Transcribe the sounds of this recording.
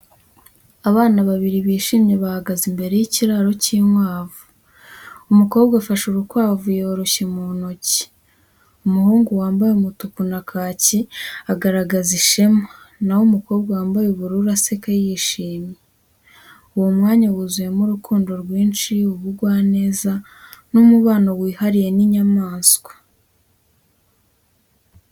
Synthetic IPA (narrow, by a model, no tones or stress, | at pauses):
aβaːnaβaβiɾiβiːʃiːmɲe̞βahaɡazimbe̞ɾe̞jiciɾaɾo̞ciːmwaːvu̥ | umuko̞ːbɡafaʃuɾukwaːvujo̞ːɾo̞çemunoci̥ | umuhuːŋɡuwaːmbajeumutukunakʰaːciaɡaɾaɡaziʃema | nawomuko̞ːbɡawaːmbajeβuɾuɾase̞kajiːʃiːmɲe | uwomŋaːɲawuzuje̞muɾukʰuːndo̞ɾɡwiːnt͡ʃiuβuɡwaːne̞ːza | numuβaːnowiːhaɾije̞niɲamaːnsɡwḁ